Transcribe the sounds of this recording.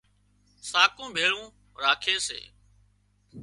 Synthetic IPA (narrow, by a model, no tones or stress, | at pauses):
saːkõːbʱeːɭũː | ɾaːkʰeːsḛː